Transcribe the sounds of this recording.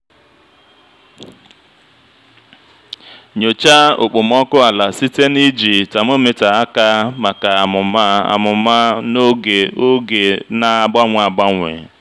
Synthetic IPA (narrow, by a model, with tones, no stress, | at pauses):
ɲo˨t͡ʃa˦o˨k͡po˨m̩˦ɔ˦kʊ˦a˨la˨si˦te˦ni˦d͡ʒi˨ta˨m˦o˦me˨ta˨a˦ka˦ma˨ka˨a˨mʊ˨ma˦a̰˨mʊ˨ma˦no˦ɡe˨o˦ɡe˨na˨ɡ͡ba˦ŋʷ˨a˨ɡ͡ba˦ŋʷḛ˨